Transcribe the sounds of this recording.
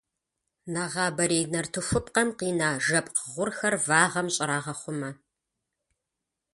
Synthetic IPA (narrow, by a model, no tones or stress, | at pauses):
naʁɑːbɐɾeːnɐrtʰɨfʷʊp̚ʼqɐmqiːnaːʒɐpʼqəʁʷʊrxɐrvaːʁɐmɕʼɪɾaːʁɐχʷʊmɐ